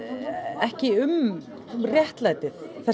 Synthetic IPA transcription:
ɛhcɪʏm | rjɛht̪laːjt̪ɪθθɛ

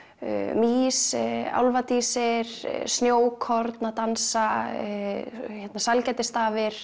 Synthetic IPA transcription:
miːsa̰wlvat̪iːsɪɾ̰snjoːwkʰɔɾt̪nat̪ansa | çɛt̪nasalcɛjt̪ɪst̪aːvɪɾ̥

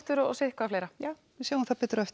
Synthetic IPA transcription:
t̪ʏɾɔɔ̰sehkvafleːjɾa | ɪsaːwũnθapɛːt̪ʏɾɔɛft̪

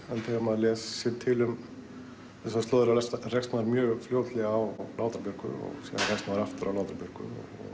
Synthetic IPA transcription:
ɛnθɛɣamaðlɛːsːjɛɾt̪ʰɪlʏm | ɛs̬ast̪oːðɪɾalɛsr̥ɛkst̪naaɾmjœːɣfljoːwt̪lɛɣaːwlawt̪aɾpjʏɾ̥kʏ̰ɔ̰ɣsḭðanr̥ɛkst̪naðɾaft̪ʏɾawlaːwt̪ɾaɾpjʏɾ̥kʏ̰ɔ̰ | ɣ

